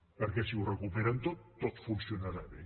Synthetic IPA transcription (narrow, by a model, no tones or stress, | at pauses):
pəɾkesiurekupeɾant̪ot̪ːot̪funsjonaɾaβḛ